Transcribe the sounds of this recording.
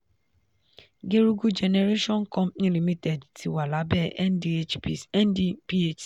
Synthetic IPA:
ɡe˦ɾu˦ɡu˦d͡ʒɛ˨ne˨ɾe˦ʃɔ̃˦n̩˦kɔ̃˦pnĩ˦li˨mi˦tɛ˨dtʰi˨wa˨la˨˦bɛ˦ʔɛ˦ndi˦e˦t͡ʃi˨ɛ˦n˦di˦pi˦e˦t͡ʃ

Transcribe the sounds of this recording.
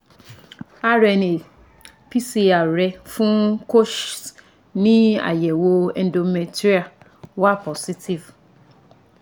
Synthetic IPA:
a˦ɾɛ˨ne˨ | pʰi˦si˨a˨ɾɛ˦fʊ̃˦kʰo˦ʃs | nɪ̃˦a̰˨jɛ˨wo˨˦ɛ˨n̩˦do˨mɛ˨ti˦a˨ | wɔ˦a˦pʰɔ˨si˦tʰi˨v

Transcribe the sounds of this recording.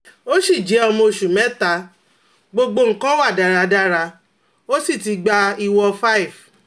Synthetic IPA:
o˦ʃi˦˨d͡ʒɛ˨˦ɔ˧mɔ̃˧˨ʃu˨mɛ˨˦ta˧˦ | ɡ͡bo˧ɡ͡bo˧ŋ̩˦kã˦wa˦˨da˨ɾa˧da˦ɾa˧ | o˦si˦˨ti˧ɡ͡ba˧i˧wɔ˧fa˦i˨v

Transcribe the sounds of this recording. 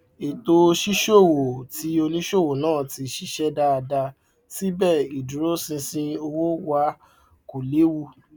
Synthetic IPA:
e˨to˧ʃi˦ʃo˦˨wo˨ti˨˦o˧nĩ˦ʃo˦˨wo˨nãː˦˨ti˨˧ʃi˦ʃɛ˦da˦˧da˧ | si˦bɛ˦˨i˨du˨ɾo˦sĩ˧sĩ˧o˧wo˦wa˧˦ | ko˨le˨˦wu˦˧˨

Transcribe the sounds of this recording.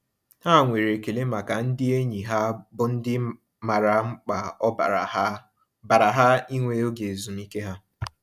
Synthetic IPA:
ha˦˨ŋʷe˨ɾe˨ke˨le˦ma˨ka˨n̩˦dɪ˦e˦ɲi˨ɦa˦bʊ˦n̩˦dɪ˦ | ma˨ɾa˨ŋ͡m̩˦k͡pa˨˦˨ | ba˨ɾa˨ɦa˦i˦ŋʷe˦o˦ɡe˨zu˨m̩˦i˦ke˦ɦa˦

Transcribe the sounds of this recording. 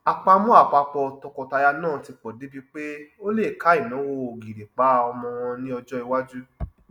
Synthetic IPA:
a˨k͡pa˧mɔ̃˦a˦˨k͡pa˧k͡pɔ˧˨tɔ˧kɔ˨ta˧ja˧nãː˦˨ti˧k͡pɔ˨di˨˦bi˦k͡pe˦o˦le˦˨ka˨˦i˦˨nã˨˦wo˦˧o˨ɡi˨ɾe˨k͡pa˨˦ɔ˧mɔ̃˧wɔ̃˧nĩ˦ɔ˧d͡ʒɔ˦i˧wa˦d͡ʒu˦

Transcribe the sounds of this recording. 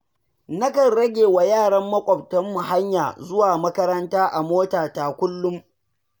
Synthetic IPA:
nɐ˦kɐ˨nɾɐ˦ɡʲeː˨wa˨jaː˦˨ɽɐ˦mːɐ˦kʷʼɔ˨b̚tɔ˦mːʊ˨ɦa˦ɲjaː˨zʊ˦waː˨mɐ˦kɐ˦ɾɐ˦ntaː˦ʔa˨moː˦taː˨ta˨kʷʊ˦lːʊ˦m

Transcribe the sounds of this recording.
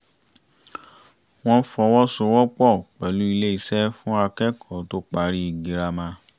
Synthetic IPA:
w̃ɔ̃˦˧˦fɔ˧wɔ˦so˧wɔ˦k͡pɔ˦˨k͡pɛ˨lu˦i˧le˦i˦˧sɛ˦fũ˦a˧kɛ˦˨kʰɔ˨to˦k͡pa˧ɾi˦i˨ɡi˨ɾa˧mã˧˦

